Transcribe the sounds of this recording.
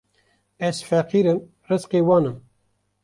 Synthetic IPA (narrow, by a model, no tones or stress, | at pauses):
ɛzfɛqiːɾɨm | rɨzqeːwɑːnɨm